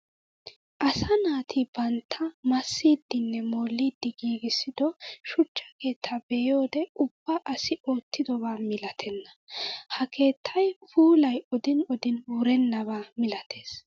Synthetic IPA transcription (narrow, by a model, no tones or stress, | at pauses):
ʔɐsɐnaːt̪ʰɪbɐnt̪ʰːɐmɐsːiːd̪ːɪnːɛmo̞ːlːiːd̪ːɪɡiːɡɪsːɪd̪ɔʃʊt͡ʃːɐ̥ke̞ːt̪ʰːɐbɛjoːd̪ɛʊb̥ːɐʔɐsɪo̞ːt̪ːɪd̪ɔβaːmɪlɐt̪ʰɛnːɐ | hɐkʰe̞ːt̪ʰːɐjpuːlɐjɔd̪ɪnɔd̪ɪnwʊɾɛnːɐβaːmɪlɐt̪ʰe̞ːs